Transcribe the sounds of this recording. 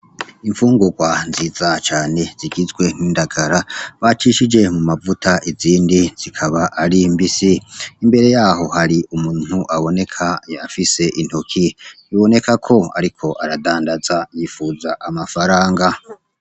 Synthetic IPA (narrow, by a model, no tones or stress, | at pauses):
iɱfuːŋɡuɡwanziːzat͡ʃaːne̞z̥iɡizɡwe̞m̥hiːndaɡaɾaβat͡ʃiʃid͡ʒe̞mumavutʰaʔiziːndiz̥ikʰaβaʔaɾimbisiːmbe̞ɾe̞jaːɦo̞haɾiumuːn̥huʔaβo̞ne̞kʰaafise̞ʔin̥hokʰi | iβo̞ne̞kakʰo̞a̰ɾikʰo̞ʔaɾadaːndazajiːfuːzaʔamafaɾaːŋɡa